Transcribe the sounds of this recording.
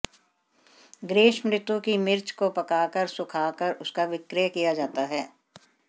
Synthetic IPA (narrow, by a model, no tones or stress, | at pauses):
ɡɾeːʃmɾɪt̪wukimɪɾt͡ʃkopɐkaːkəɾsʊkʰaːkəɾʊskaʋɪkɾijkijad͡ʒaːt̪aɦɛː